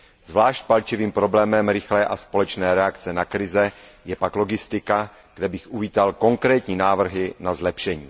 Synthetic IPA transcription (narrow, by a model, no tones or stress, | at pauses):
zvlaːʃc̚palt͡ʃɪviːmpɾo̞blɛːmɛmɾɪxlɛːʔaspolɛt͡ʃnɛːɾɛakt͡sɛnakɾɪzɛjɛpaklo̞ɡɪst̪ɪka | ɡ̥dɛbɪxʔuviːt̪alko̞ŋkɾɛːt̪ɲiːnaːvr̩ɦɪnazlɛpʃɛɲḭː